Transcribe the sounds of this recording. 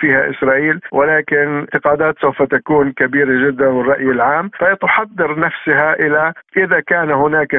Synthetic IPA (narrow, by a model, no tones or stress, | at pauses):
fiːhaʔɪ̰sɾˤɑːʔiːlwɪlaːkɪnt̪ːɪqɑːd̪aːt̪sawfat̪akuːnkabiːɾaʒɪd̪ːanwɪrˤːɑʔjɪlʕaːmfat̪ʊħɑd̪ːɪɾnafsɪɦaʔɪlaʔɪðakaːnɦʊnaːk